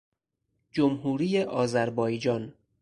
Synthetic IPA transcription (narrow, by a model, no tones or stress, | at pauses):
d͡ʒomɦuːɾiːjeʔɒːzæɾbɒːjd͡ʒɒːn